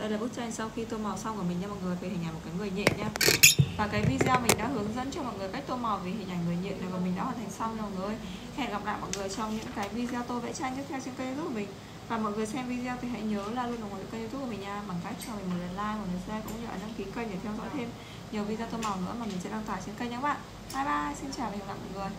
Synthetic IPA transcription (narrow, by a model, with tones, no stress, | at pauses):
ɗə˧jlaː˨˩ɓɨ˦˥t̚t͡ɕa˧jŋ̟sa˧wxi˧t̪o˧ma˨˩wsa˧wku˧˩əmï˨˩ŋ̟ɲaː˧mɔ˨˩ŋɨ˨˩əjfʰə˨˩˦hi˨˩ʔa˨˩jm˨˩tkaː˨˦ŋɨ˨˩əjɲḭ˧˨mɲaː˧vaː˨˩kaː˨˦jvi˧zi˧a˧mï˨˩ŋ̟ɗa̰ː˧˥ɦɨ˨˦əŋzə̰˧˥nt͡ɕɔ˧mɔ̰˨jŋ˨˩əjka˦˥k̚t̪o˧ma˨˩wvi˨˩ɦi˨˩ŋʔa˨˩ŋ̟ŋɨ˨˩əjɲḭ˧˨nɗə˨˩vaː˨˩mï̟˨˩ɗa̰˧˥hwaː˨˩nt̪ʰŋsa˧wɲ˧mɔ˨t̚ŋɨ˨˩əj | ha˧˨˧ɣa˨˩pla̰ː˧˨jmɔ̰˧˨˩ŋɨ˨˩əjt͡ɕɔ˧wŋ͡mɲɨ̰˧˥ŋkaː˨˦jvi˧zi˧a˧t̪o˧vḛ˧˥t͡ɕaː˧ŋt͡ɕ̪ɨ˦˥t̪ʰwt͡ɕe˧nkːjzt̪ʰu˦˥kːmï˨˩ŋ̟ | vaː˨˩mɔ̰˧˨jŋɨ˨˩əjsɛ˧mvi˧zi˧a˧t̪ʰi˨˩ɦɛ̰˧˥jɲəː˨˦laː˨˩lu˧nlmː˨˧˥kːzt̪ʰu˦˥kːmi˨˩ɲaː˧ɓaː˨˩ŋka˦˥k̚t͡ɕɔ˧mi̟˨˩mo˨˩t̚ɗə˨˩n̚laː˧jmɔ˨˩lə˨˩swɛ˧kʊ̰˧˥wŋ͡mɲɨ˧˨aː˨˧˩na˧ŋki˨˦kəː˧jɲə˨˩t̪ʰɛ˧wzɔ̰˧˥jt̪ʰe˧m | ɲi˨˩əwvi˧zt̪o˧ma˨˩wnɨ̰˧˥əmaː˨˩mï˨˩sɛ̰˧˥ɗa˧ŋt̪waː˨˩t͡ɕi˧nkə˧jɲaː˨˧˦ɓa̰ː˧˨n | ʔaː˧˩jɓaː˧si˧nt͡ɕaː˨˩wva˨˩˨la̰˧˨˩mɔ̰˧˨jŋɨ˨˩əj